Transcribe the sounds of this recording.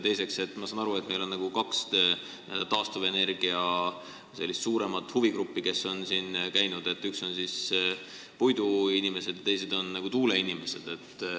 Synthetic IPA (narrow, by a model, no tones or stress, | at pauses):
t̪e̞jse̞kse̞t̪ːˑmɑsɑːnɑɾue̞t̪̚ːˑme̞jlo̞nnɑɡ̥ukɑks | d̪t̪ɑːst̪uve̞ne̞rɡ̥iɑ | se̞lːist̪suːɾe̞mɑt̪ːˑhuviɡɾupːike̞so̞nsiːnkæjnud̪e̞t̪ːykso̞nsis | pujd̪uinime̞se̞d̪̥jɑt̪e̞jse̞d̪o̞nːɑɡ̥ut̪uːle̞inime̞se̞d̪̥e̞t̪ːˑ